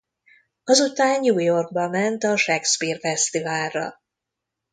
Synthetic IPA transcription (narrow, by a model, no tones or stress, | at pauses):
ɒzut̪aːnjuːjo̞rɡ̚bɒmɛnt̪ɒʃɛkspiːrfɛst̪ivaːlːɒ̰